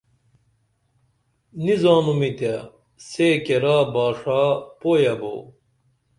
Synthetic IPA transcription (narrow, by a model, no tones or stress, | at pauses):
nizaːnumit̪ɐ | seːkeɾaːbaːʂapoːjɐbo̰